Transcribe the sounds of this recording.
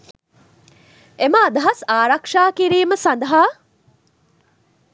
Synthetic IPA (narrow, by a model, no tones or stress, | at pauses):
eməːd̪ɐɦɐsaːɾɐkʂaːkiɾiːməsand̪ɐɦaː